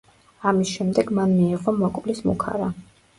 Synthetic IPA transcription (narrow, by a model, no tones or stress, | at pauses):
amisʃɛmd̪ɛɡmanmiɛʁɔmɔkʼvlismṵkʰa̰ɾa